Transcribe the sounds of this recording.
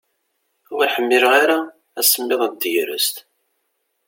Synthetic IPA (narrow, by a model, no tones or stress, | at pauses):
ʊʁiħəmːɪɾʁaɾa | æsəmːɪðˤæd̪jɾə̰st̪